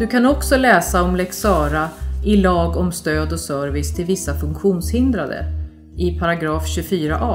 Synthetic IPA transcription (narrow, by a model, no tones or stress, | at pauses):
d̪̥ɵkʰanɔksɔlɛːsaɔmlɛksɑːɾaɪlɑːɡɔmst̪øːd̪ɔsœɾvɪst̪ʰɪlvɪsːafɵŋkɧuːnshɪnd̪ɾad̪ə̰ | ɪpʰaɾaɡɾɑːfɕɵfyːɾaʔɑː